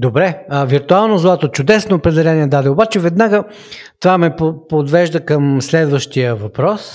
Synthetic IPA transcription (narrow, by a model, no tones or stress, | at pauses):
d̪obɾɛəviɾt̪ʊalˠnozlˠat̪ot͡ʃʊd̪ɛsnoːpɾɛd̪ɛlɛniɛd̪ad̪ɛobat͡ʃɛvɛd̪naɡə | t̪ovamɛpopod̪vɛʒd̪əkəmslɛd̪vəʃt̪ijəvɐpɾɔs